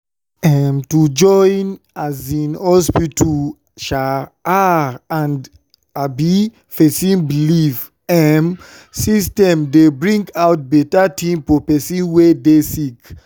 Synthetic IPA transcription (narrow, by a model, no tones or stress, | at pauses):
ɛmtud͡ʒɔjn | azĩnhɔspitʰu | ʃaaãnd | abi | fesĩnbilif | ɛm | sistɛ̃mdebɹĩŋɡawt̚bɛtatʰĩmfɔpɛsĩnwedesik